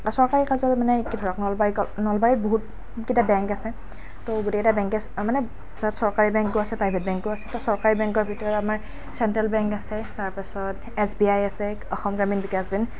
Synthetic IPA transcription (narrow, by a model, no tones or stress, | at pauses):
asɔɹkaɹikazɔmanɛkidʱɔɹaknɔlbaɹikɔnɔlbaɹiboɦut̚ | kitabɛŋkasɛ | toɡʊtekitabɛ̃ŋkɛ | manɛ | zatsɔɹkaɹibɛŋkːʊasɛpɹajbʱet̚bɛ̃ŋkɡʊasɛtɔsɔɹkaɹibɛŋkɔɹbʱitɔɹɔtamaɹ | sɛntɹalbɛŋkasɛtaɹpisɔt | ɛsbiajasɛ | ɔxɔmɡɹaminbikasbin